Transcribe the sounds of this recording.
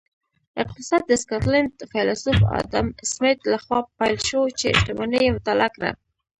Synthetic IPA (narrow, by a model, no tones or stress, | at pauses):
ɪq̚t̪ɪsɑd̪̚d̪əskɑt̪landfajlasufɑ̰d̪a̰msmɪt̪laxwɑpajlʃowt͡ʃeɪ̰ʃt̪amanəjemt̪alakɾa̰